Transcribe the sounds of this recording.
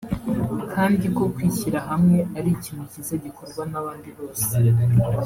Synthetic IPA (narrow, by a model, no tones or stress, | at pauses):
kʰaːndiko̞kwiːçiɾaɦamŋe̞aɾicimicizeɟikʰo̞ɾɡwanaβaːndiβo̞ːse̥